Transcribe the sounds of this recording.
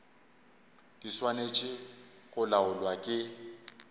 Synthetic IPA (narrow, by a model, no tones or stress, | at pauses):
d̥iswanet͡ʃʼɪ | ɣʊlaʊlwakʼɪ